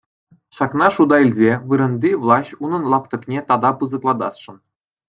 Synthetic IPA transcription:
ʃɑknɑʂud̪ɑilʲzʲeʋɯɾɤ̆nd̪ʲivlˠɑɕʲunɤ̆nlˠɑpt̪ɤ̆knʲet̪ɑd̪ɑpɯzɤ̆klˠɑd̪ɑsʂɤ̆n

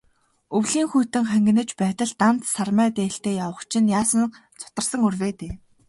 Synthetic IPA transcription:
ɵwɮiːŋxujʰt̪ɘ̆ŋχæŋɡɘ̆nɘ̆t͡ɕpæːt̪ə̆ɮt̪an̥t̪sarmæːt̪eːɬt̪eːjawə̆χt͡ɕʰɪ̆njaːsə̆n | t͡sʰʊ̥t̪ə̆rsə̆ŋɵrweːt̪eː

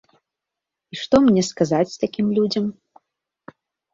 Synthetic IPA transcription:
iʂt̪ɔmnʲɛskazat͡sʲst̪akʲimlʲud͡zʲɐm

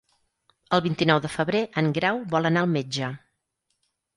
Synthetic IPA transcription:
əlˠβint̪inɔwðəfəβɾeʔəŋɡɾawbɔlˠənaəlˠmed͡ʒə

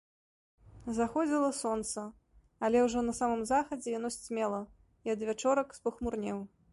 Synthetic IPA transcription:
zaxɔd͡zʲilˠɐsɔnt̪sɐ | alʲɛwʐɔnɐsamɨmzaxɐd͡zʲɛjanɔsʲt͡sʲmʲɛlˠɐ | iɐd̪vʲat͡ʂɔɾɐkspɐxmurnʲɛw

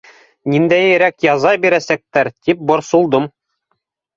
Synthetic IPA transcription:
nind̪æjɘ̆ɾækjɑzɑbiɾæsæk̚t̪æɾt̪ip̚bŏɾsulˠd̪ɤm

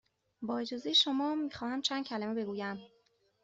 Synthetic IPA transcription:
bɒːed͡ʒɒːzejeʃo̞mɒːmiːxɒːhæmt͡ʃʰæːnd̪̚cʰælæmebe̞ɡuːjæm

